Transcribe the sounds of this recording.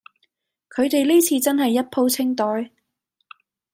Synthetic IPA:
kʰɵ˨˧ɥt̪e˨jliː˥t͡sʰiː˧t͡sɐ˥nɦɐ˨jːɐ˥t̚pʰo˥wt͡sʰɪ˥ŋt̪ɔː˨˥j

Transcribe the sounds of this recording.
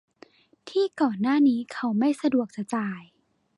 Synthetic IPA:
t̪ʰiː˥˩kɔː˨˩nːaː˥˩niː˦˥kʰa˦˥wma˥˩jsa˧du˨˩ək̚sa˧t͡ɕaː˨˩j

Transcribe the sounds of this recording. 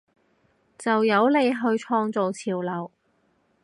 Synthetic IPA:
t͡sɐ˨wjɐ˨˧˥wle˨˧jɦɵ˧ɥt͡ʃʰɔː˧ŋt͡so˨wt͡sʰiː˨˩wlɐ˨˩w

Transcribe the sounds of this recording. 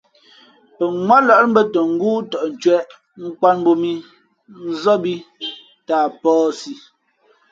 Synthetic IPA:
pə˨ŋwa˦lɔ˨˦m̩˦bə˦tə˨ŋ̩˦ɡuː˦tɔ˨ʔn̩˨t͡ʃɥɛ˦ʔ | ŋ̩˦kwa˦nbo˦mi˦ | n̩˦zɔ˦bi˦ | taː˨pɔː˦si˦

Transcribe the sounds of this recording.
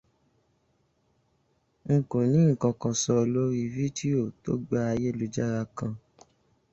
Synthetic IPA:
ŋ̩˨kõ˨nĩ˨˦ŋ̩˨kɔ̃˧kɔ̃˨˧sɔ˧o˨lo˦ɾi˧vi˦di˦o˨to̰˦ɡ͡ba˦a˧je˦˨lu˨d͡ʒa˦ɾa˧kã˧

